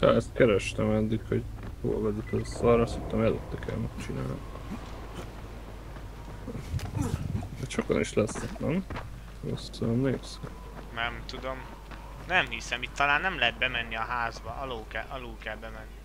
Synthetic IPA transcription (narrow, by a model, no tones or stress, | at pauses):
t̪a̰ɛst̪kɛɾɛʃt̪ɛmɛd̪ːikho̞ɟ | jo̰ːɒ̰vɛzɛt̪øsɒɾɑsokt̪ːɒmɛløt̪ːɛkʰɛ̰lmɛt͡ʃina̰ːnm | d̪ɛʃo̞kɒ̰niʃlɛsnɛt̪lɛm | o̰sømneːksø | nɛmt̪ud̪om | nɛmhisɛmit̪ːɒlaːnːɛmlɛɦɛt̪̚bɛmɛnːiɒɦaːzbɒʔɒloːkɛlʔɒluːkɛlbɛmɛnːi